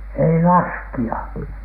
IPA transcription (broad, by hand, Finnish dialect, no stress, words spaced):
ei lɑskiɑ